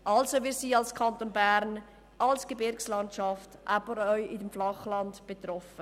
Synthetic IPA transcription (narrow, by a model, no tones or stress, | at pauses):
ʔɑlsovɪːɾsiːɑlskʰɑntonbæɾn | ʔɑlsɡ̥ebɪɾkslɑntʃɑftʔabəɾœʏʔɪdəmflɑχlɑndb̥et̪rɔfə